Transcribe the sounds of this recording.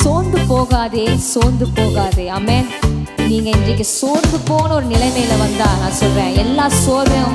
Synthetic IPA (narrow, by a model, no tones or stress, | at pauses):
soːnd̪ɯpoːɣaːðeːsoːnd̪ɯpoːɣaːðeːaːmeːn | niːŋɡɐɪndrɐk̬ʲːɯsoːɾnd̪ɯpoːɣɐnɐɔɾɯnɪlɐɪmɐjɪlɐʋɐnd̪aːnãːsɔlrẽːɛlːaːsoːɾʋɐjʊ̃